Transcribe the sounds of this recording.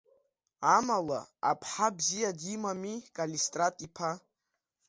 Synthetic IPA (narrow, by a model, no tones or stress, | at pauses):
amala̰ːpʰħabzijadimamikʼalistʼratʼipʰa